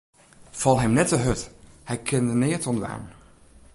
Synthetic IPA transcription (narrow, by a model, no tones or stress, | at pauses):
fɔlˠɦɛmnɛtəɦøthɛjkʰɪndənɪətɔnʋa̰ːm